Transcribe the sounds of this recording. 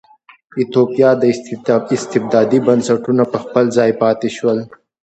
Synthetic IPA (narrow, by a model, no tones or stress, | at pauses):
ɪt̪oːpijɑd̪əɪst̪ɪb̚d̪ɑːd̪ibɐnsɐʈunapəxpəlzɑːjpɑːt̪iʃwəl